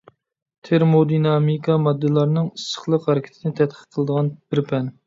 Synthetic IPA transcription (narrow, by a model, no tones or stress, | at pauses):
t̪ʰeɾmod̪inɑmikʰɑmɑd̪ːɨlˠɑɾnɨŋisːə̥χlˠəqhɛɾɪkʲʰɪ̥t̪ʰɪnɪt̪ʰɛt̪̚qʰə̥qʰəlˠəd̪əʁɑnb̥ɪɾpʰɛn